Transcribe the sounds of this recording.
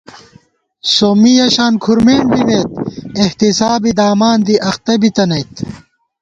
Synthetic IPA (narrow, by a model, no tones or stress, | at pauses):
somijɐɕaːnkʰuɾmeːɳbimeːt̪̚eht̪isaːbid̪aːmaːnd̪iʔɐxt̪ɐbit̪ɐnɐjt̪